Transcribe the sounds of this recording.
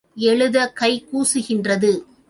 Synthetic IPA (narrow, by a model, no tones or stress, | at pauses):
ɛɭɯðɐkɐɪkuːsɯɣɪndrɐðɯ